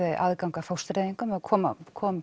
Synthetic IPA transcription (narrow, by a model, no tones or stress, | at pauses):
ðɪʔa̰ðkawŋkafawst̪ɾɛːðiŋkʏmɛðkʰɔːma̰kʰɔːm